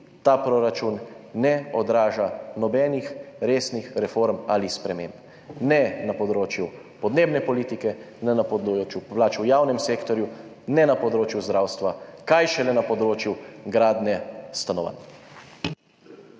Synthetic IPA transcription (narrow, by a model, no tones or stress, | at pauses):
t̪aːpɾoɾat͡ʃunːɛɔd̪ɾaːʒanɔbɛːnixɾeːsnixɾɛfoɾmalispɾɛmẽmp | nɛnapɔd̪ɾoːt͡ʃju | pɔd̪neːbnɛpɔliːt̪ikɛ | nɛnapɔd̪t͡ʃjuplaːt͡ʃujaːwnɛmseːkt̪ɔɾju | nɛnapɔd̪ɾoːt͡ʃjuzd̪ɾawst̪ʋakajʃɛlɛnapɔd̪ɾoːt͡ʃjuɡɾaːd̪nɛst̪anɔʋa̰n